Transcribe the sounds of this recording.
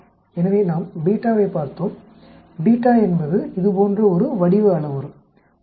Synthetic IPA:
ɛnɐʋeːnaːmbiːʈːaːʋeːpaːɾt̪oːm | biːʈːaːɛnbɐðɯɪðɯpoːndrɐɔɾɯʋɐɽɪʋɯɐɭɐʋɐɾɯ

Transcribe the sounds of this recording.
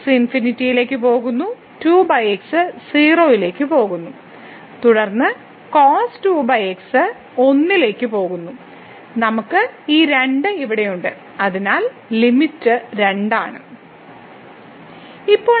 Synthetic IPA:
sinfinitːijile̞ːkːɨpo̞ːɣunːu | tuːbɐjeksɨsiːro̞ːjile̞ːkːɨpo̞ːɣunːu | t̪uɽɐrnːɨ | koːstuːbɐjeksɨ | o̞nːile̞ːkːɨpo̞ːɣunːu | nɐmukːɨiːɾe̞ɳɖɨiʋiɽe̞juɳɖɨ | ɐðinaːl | limitːɨɾe̞ɳɖaːɳɨ̰ | ipːo̞ː

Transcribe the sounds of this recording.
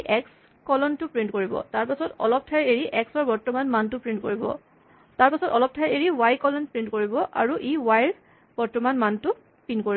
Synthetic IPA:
ʔɛks | kɔlɔntʊpɹintkoɹibɔ̰taɹpasɔtɔ̰lɔp̚tʰajeɹiʔɛksɔɹbɔɹtɔmanmantʊpɹintkoɹibɔ̰ | taɹpasɔtɔlɔp̚tʰajɹeɹiwajkɔlɔnpɹintkoɹibɔʔa̰ɹuʔiwajɹ | b̥ɔɹtɔmanmantʊ | pinkoɹi

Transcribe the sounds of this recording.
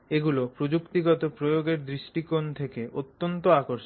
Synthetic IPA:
eɡulopɾod͡ʑukt̪iɡɔt̪opɾojoɡeɾd̪ɾiʃʈikont̪ʰekeot̪ːont̪oakoɾʃ

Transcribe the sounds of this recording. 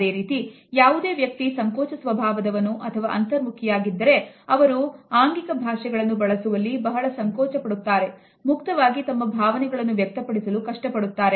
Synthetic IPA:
e̞ːɾiːt̪i | jaːʋud̪e̞ːʋjɐk̚t̪isɐŋkɔːt͡ʃɐsʋɐbʱaːʋɐd̪ɐʋɐnːuʔɐt̪ʰɐʋa̰ʔɐnt̪ɐɾmukʰijaːɡid̪ːɐɾe̞ɐʋɐɾuaːŋɡikɐbʱaːʂɛɡɐɭɐnːubɐɭɐsuʋɐlːibɐɦɐɭɐsɐŋkɔːt͡ʃɐpɐɽut̪ːaːɾe̞ | mukt̪ɐʋaːɡit̪ɐmːɐbʱaːʋɐnɛɡɐɭɐnːuʋjɐk̚t̪ɐpɐɽisɐlukɐʂʈɐpɐɽut̪ːaːɾe̞

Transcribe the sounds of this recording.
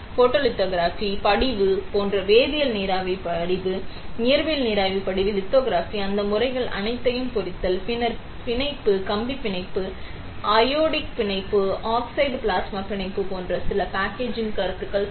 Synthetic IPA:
foːʈːoːlɪt̪ːoːɡɾaːfipɐɽɪʋɯpoːndrɐʋeːðɪjɐlniːɾaːʋipɐɽɪʋɯnɪjɐɾʋɐjlniːɾaːʋipːɐɽɪʋɯlɪt̪ːoːɡɾaːfiɐnd̪ɐmʊrɐɪɣɐɭɐ̰ɳɪt̪ːɐjɯmpʊrɪt̪ːɐlpɪnɐɾ | pɪnɐɪpːɯkɐmbipːɪɳɐɪpːɯ | ʔɐjoːɽɪk̚pɪɳɐɪpːɯaːksɐɪɖpɭaːsmɐpːɪɳɐɪpːɯpoːndrɐsɪlɐpaːkeːd͡ʒɪnkɐɾɐt̪ːɯkːɐɭ

